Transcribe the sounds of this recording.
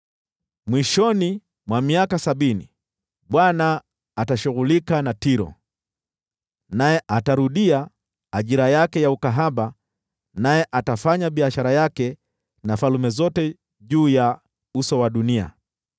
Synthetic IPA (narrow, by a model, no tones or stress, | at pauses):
mwiʃɔni | mwamiakasaɓinḭ | ɓwanaː | taʃuɣulikanatiɾɔ̰ | najɛʔataɾuɗia | aʄiɾajakɛjaukaɦaɓa | najɛʔatafaɲaɓiaʃaɾajakɛ | nafalumɛzɔtɛ | ʄuːja | usɔwaɗunia̰